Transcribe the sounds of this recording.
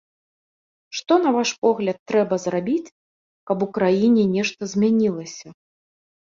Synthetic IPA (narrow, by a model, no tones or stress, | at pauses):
ʂt̪ɔnɐvaʂpɔɣlʲɐt̪ːɾɛbɐzrabʲit͡sʲ | kɐpukɾajinʲɛnʲɛʂt̪ɐzʲmʲanʲilˠɐsʲɐ